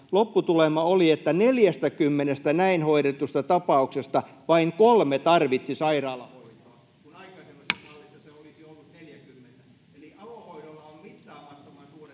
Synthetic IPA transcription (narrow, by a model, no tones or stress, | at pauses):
lopːut̪ulemɑoliet̪ːæneljæst̪ækymːenest̪ænæinhoiɾet̪ust̪ɑt̪ɑpɑuksest̪ɑʋɑiŋkolmet̪ɑrʋit̪sisɑirɑːlːˑɑhoitoɑ | kunɑikɑsemːesɑlːisːɑseolisiolːut̪neljækymːent̪æ | eliɑlohoiɾolːɑommit̪ːɑːhɑt̪ːomɑnsuːre